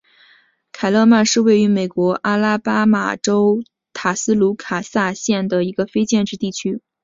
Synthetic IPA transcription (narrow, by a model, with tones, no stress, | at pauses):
kʰa˨˩ɪlɤ˥˧ma˥˧nʂɻ̩˥˧we˥˩ɪy˧˥me˨˩ɪkwɔ˧˥ʔa˥la˥pa˥ma̰˨˩ʈ͡ʂo˥ʊ | t̪ʰa˨˩sɹ̩˥lu˧˥kʰa˨˩sa˥˧ɕjɛ˥˩nd̪ə˩i˧˥ɡə˧fe˥ɪt͡ɕjɛ˥˧nʈ͡ʂɻ̩˥˧t̪i˥˩t͡ɕʰy˥